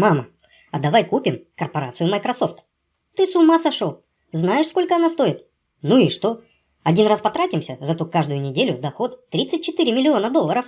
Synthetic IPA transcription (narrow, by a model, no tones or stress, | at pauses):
mamə | ɐd̪ɐvajkupʲɪmkərpɐɾat̪sɨjʊmɐjkɾɐso̞ft̪ | t̪ɨsʊmasɐʂolˠ | znajɪʂsko̞lʲkəɐnast̪o̞ɪt̪ | nuɪʂt̪o̞ | ɐdʲinraspɐt̪ɾatʲɪmsʲəzɐt̪ukaʐd̪ʊjʊnʲɪdʲelʲʊd̪ɐxo̞t̪t̪ɾʲit̪sɨt̚ʲt͡ɕːɪt̪ɨɾʲɪmʲɪlʲɪo̞nəd̪olˠːəɾəf